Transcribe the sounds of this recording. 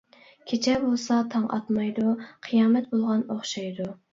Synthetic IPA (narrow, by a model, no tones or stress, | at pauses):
kʲʰet͡ʃʰɛbolˠsɑt̪ʰɑŋʔɑ̰t̪mɑjd̪uqʰɨjɑːmɛt̪̚bolˠʁɑnoχʃɑjd̪u